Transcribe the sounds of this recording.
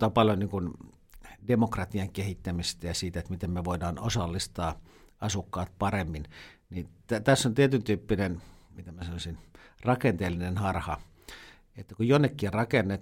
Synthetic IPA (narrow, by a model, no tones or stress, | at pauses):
t̪ɑːpɑljoniːŋkun | demokrɑt̪iɑŋkehit̪ːæmist̪æjɑsiːt̪æet̪mit̪emmeʋoidɑːnosɑlːist̪ɑː | ɑsukːɑːt̪̚pɑremːinnit̪æt̪æsːont̪iet̪ynt̪yːpːinen | mit̪æmæsɑnosinrɑkent̪eːlːinenhɑrhɑ | et̪ːækujonːekːirɑkenːet̪